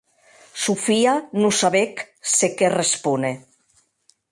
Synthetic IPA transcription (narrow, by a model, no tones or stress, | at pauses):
sufianusaβek | sekerespune